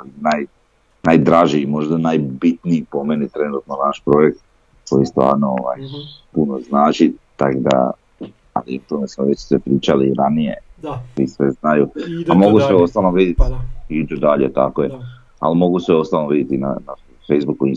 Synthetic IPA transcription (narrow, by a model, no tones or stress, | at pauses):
koinaj | najd̪ɾaʒiimo̞ʒd̪anajbit̪niipo̞menit̪ɾe̞nut̪nonaʃpɾo̞je̞k̚t̪̚ | ko̞jist̪ʋa̰ːɾnooʋa̰jpuno̞znaːt͡ʃit̪akod̪a̰ | a̰lieut̪omesmoʋe̞t͡ɕsʋepɾiːt͡ʃaliɾanije̞̰isʋeznajuamo̞ɡusʋeo̞st̪alnoʋid̪jet̪iit̪od̪aʎḛt̪a̰koje | a̰limo̞ɡusʋeo̞st̪alnoʋid̪jet̪ina̰na | fejzbukui